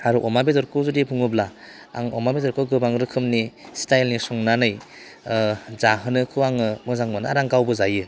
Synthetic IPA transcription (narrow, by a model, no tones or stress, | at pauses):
aɾuʔɔmabedɔɾkʰɯzɯdibʰuŋɯbla | a̰ŋɔmabedɔɾkʰɯɡɯbaŋɾɯkʰɯmnistajlnisɔŋnanɯj | zaɦɯnɯkʰɯwaŋɯmɯzaŋmɯnɯaɾaŋkawbɯzajɯ